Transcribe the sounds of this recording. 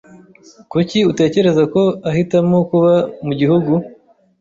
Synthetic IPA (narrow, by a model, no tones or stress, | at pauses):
kuciute̞ːce̞ɾe̞zako̞aɦitamo̞kuβamuɟihuɡu